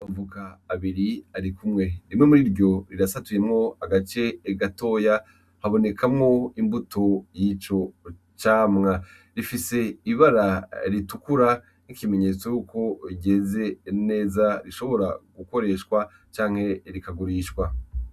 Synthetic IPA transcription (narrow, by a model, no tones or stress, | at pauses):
βavukaːβiɾiaɾikumŋe̞ɾimŋe̞muɾiɾɟo̞ɾiɾasatuje̞mŋo̞aɡat͡ʃe̞ːɡato̞ːja | haβo̞ne̞kʰamŋo̞imbutʰo̞jit͡ʃo̞ | t͡ʃaːmŋa | ɾifise̞iβaɾaɾitukuɾa | nikime̞ɲe̞t͡so̞juːkʰo̞iɟe̞ze̞ne̞ːzaɾiʃo̞βo̞ɾaɡuko̞ɾe̞ʃkwa | t͡ʃaːŋ̥he̞ɾikaɡuɾiːʃkwa